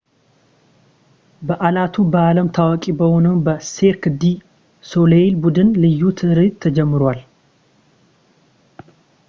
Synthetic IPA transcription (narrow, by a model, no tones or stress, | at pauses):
bəʔalat̪ʰubəaləmt̪ʰawakʼibəho̞nəwnbəseɾkɨd̪i | so̞lelbud̪ɨnlɨjːut̪ʰɨhɾɨt̪ʰəd͡ʒɛmːɨɾal